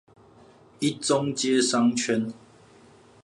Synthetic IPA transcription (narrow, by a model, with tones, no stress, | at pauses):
i˦t͡so˦ŋt͡ɕɛ˦sa˦ŋt͡ɕʰɥɛ˦n